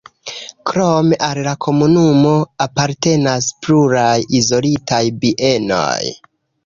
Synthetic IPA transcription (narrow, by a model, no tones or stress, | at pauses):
kɾomeʔallakʰo̞munumo̞apaɾte̞naspluɾajizo̞litʰajbiʔe̞no̞̰j